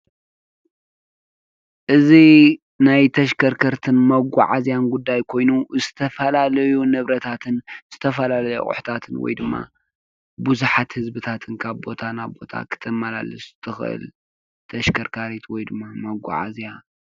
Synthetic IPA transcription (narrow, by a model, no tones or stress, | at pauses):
ʔɨzi | najt̪ʰɐʃkʰɐɾkʰɐɾt̪ʰɨnmɐɡʷa̰ʕazjanɡud̪ːajkʰo̞jnuzɨt̪ʰɐfɐlalɐjunɨβɾɐt̪ʰat̪ʰɨnz̥ɨt̪ʰɐfɐlalɐjṵχʼʊ̰ħt̪ʰat̪ʰɨnwɔ̰jd̪ɨmːa̰ | buzuħat̪hɨzbɨt̪ʰat̪ʰɨnkʰaβbo̞t̪ʰanaβbo̞̰t̪ʰa̰kʰɨ̥t̪ʰɐmːala̰lɨst̪ʰɨxʔɨ̰l | t̪ʰɐʃkʰɐɾkʰaɾit̪ʰwɔjd̪ɨmːamɐɡʷa̰ʕa̰zija